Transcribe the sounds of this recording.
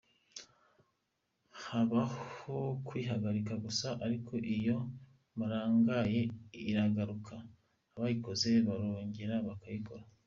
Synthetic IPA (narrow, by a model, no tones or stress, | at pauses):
haβahokwiːɦaɡaɾikaɡusaʔaɾikʰo̞ʔijo̞ | βaɾaːŋɡaje̞iɾaɡaɾukʰaː | βajiko̞ze̞βaɾoːɲɟeɾaβakajiko̞ɾa